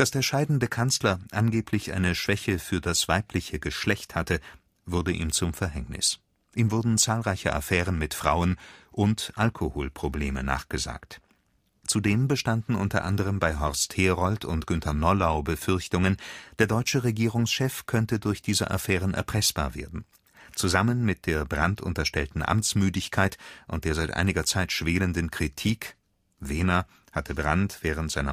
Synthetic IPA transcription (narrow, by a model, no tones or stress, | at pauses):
d̥asd̥eːɐʃaɪdn̩dəkʰanslɐʔanɡeːpʰlɪçʔa̰ɪnəʃv̥ɛçəfyːɐdasv̥aɪpʰlɪçəɡəʃlɛçthatə | vʊɐdəʔiːmt͡sʊmfɛɐɦɛŋnɪ̰s | ʔiːmvʊɐdn̩t͡saːlʁaɪçəʔa̰fɛːʁ̞ənmɪtfʁ̥a̰ʊənʔʊntʔalkʰohoːlpʁ̥obleːmə̰na̰ːχɡ̥əza̰ːkt | t͡sudeːmbəʃtandn̩ʔʊntɐ̰ʔa̰ndəʁ̞əmbaɪɦɔʁstheːʁɔltʰʊntɡ̥ʏntʰɐnɔlaʊbəfʏɐçtʊŋənd̥eːɐdɔʏt͡ʃəʁeɡiːʁʊŋsʃɛfkʰœntədʊɐçd̥iːzə̰ʔa̰fɛːʁ̞ənʔɛ̰ɐpʁ̥ɛsb̥a̰ːɐvḛːɐdn̩ | t͡suzamənmɪt̚d̥eːɐbʁantʊ̰ntɐʃtɛltn̩ʔa̰mt͡smyːdɪçkʰaɪtʔʊntd̥eːɐzaɪtʔa̰ɪnɪɡɐt͡saɪtʃv̥eːləndnkʁ̥itʰiːk | v̥eːnɐ | hatʰəbʁantv̥ɛːʁ̞əntz̥aɪnɐ